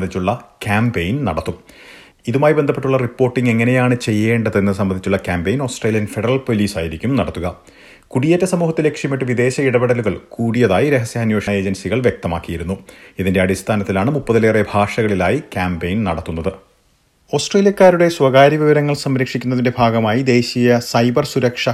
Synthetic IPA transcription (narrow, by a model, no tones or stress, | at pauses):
ɐd̪it͡ɕːuɭːɐkʲaːmpejnnɐɽɐt̪ːum | iðumaːjibe̞nd̪ʱɐpːeʈːuɭːɐripːo̞ːrʈːiŋɡe̞ŋːɐnejaːɳɨt͡ɕe̞jːe̞ːɳɖɐðe̞nːɨs̬ɐmbɐnit͡ɕːuɭːɐkʲaːmbejno̞ːsʈreːlijɐnfeɽɐrɐɭpo̞liːsaːjiɾikʲːumnɐɽɐt̪ːuɣɐ | kuɽijetːɐsɐmuːɦɐt̪ːilekʂjɐmiʈːɨʋid̪e̞ːɕɐiɽɐbɐɽɐluɣɐɭkuːɽijɐðaːjiɾe̞ɦɐsjɐɐnje̞ːʂɐe̞ːd͡ʑɐnsiɣɐɭʋje̞k̚t̪ɐma̰ːkːijiɾunːuiðinde̞ɐɽist̪ʰaːnɐt̪ːilaːɳɨmupːɐðɐleːrebʱaːʂɐɣɐɭilaːjikʲaːmbejnnɐɽɐt̪ːunːɐðɨ | o̞ːsʈreːlijɐkːaːɾuɽe̞swɐɣaːɾjɐʋiʋɐɾɐŋːɐɭsɐmɾɐkʂikʲːunːɐðinde̞bʱaːɡɐmaːjid̪e̞ːɕijɐsɐjbɐrsuɾɐkʂɐ